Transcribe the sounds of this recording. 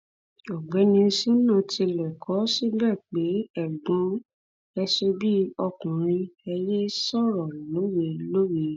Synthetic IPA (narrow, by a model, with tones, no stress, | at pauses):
ɔ˨ɡ͡bɛ˨˦nĩ˧si˦nã˦˨ti˧lɛ˨kʰɔ˨˦si˦bɛː˦˨k͡pe˨˦ɛ˦˨ɡ͡bo˨˧˦ | ɛ˧se˧bi˦ɔ˧kũ˨ɾ̃ĩ˧ɛ˧je˦sɔ˦˨ɾɔ˨lo˨˦we˧lo˦we˨